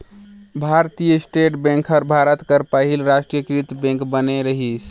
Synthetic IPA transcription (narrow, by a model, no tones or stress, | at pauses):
bʱaɾt̪ijəsʈeʈbẽŋkʰəɾbʱaɾət̪kəɾpəɦilɾasʈɾijəkɾit̪bẽŋkbəneɾəɦisʰ